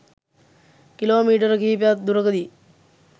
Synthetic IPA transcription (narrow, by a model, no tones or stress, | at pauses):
kiloːmiːʈəɾəkiːpejat̪̚d̪uɾəkəd̪i